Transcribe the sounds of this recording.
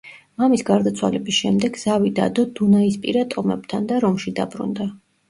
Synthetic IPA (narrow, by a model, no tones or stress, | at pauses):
mamisɡaɾd̪at̪sʰwa̰lɛbisʃɛmd̪ɛɡz̥avid̪a̰d̪ɔd̪unaispʼḭɾat̪ʼɔmɛ̰b̚t̪ʰand̪aɾɔmʃid̪a̰bɾṵnd̪a